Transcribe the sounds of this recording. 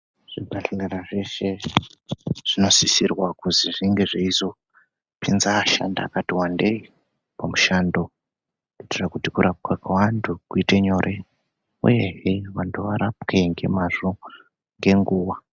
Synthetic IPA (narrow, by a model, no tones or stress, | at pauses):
ʐ̥ibʱaɬeleraʐeʃe̞ | ʐ̥ino̞sisirwakuziʐiŋɡe̞ʐeizo̞ | pinzaːʃa̰nda̰ːkatiwande̞i | pamuʃando̞ | keitirakutikuɾʔap̚kakawantʰukuiteɲo̞rʔe | ṵje̞ɦeʋantʰuʋaɾapke̞ŋɡe̞̰mazo | ŋɡe̞ŋɡuːwa